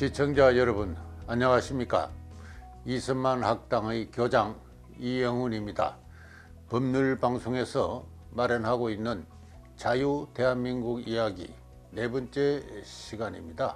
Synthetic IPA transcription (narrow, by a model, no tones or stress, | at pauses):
t͡ɕit͡ɕʰʌŋd͡ʑajʌɾʌbunaɲʌŋaɕʰimɲik͈a̰ | isʰɯnmanhak̚t͈aŋɯjkjod͡ʑaŋ | ijʌŋɦunimɲida̰ | pʌmɲuɭpaŋsʰoŋe̞sʰʌ | maɾjʌnɦaɡoinːɯn | t͡ɕajute̞ɦanminɡuɡijaɡḭ | ne̞bʌnt͡ɕ͈e̞ɕʰiɡaɲḭmɲida